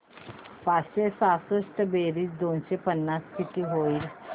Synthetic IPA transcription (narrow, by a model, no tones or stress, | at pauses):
pat͡sɕesasəʂʈəbeɾiːt͡sd̪onɕepənːaskit̪iːɦoiːl